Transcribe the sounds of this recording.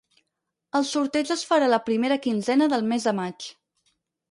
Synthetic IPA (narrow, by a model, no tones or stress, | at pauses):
əlˠsuɾt̪ɛd͡ʒəsfəɾaləpɾimeɾəkinzɛnəðəlˠmɛzðəmat͡ʃ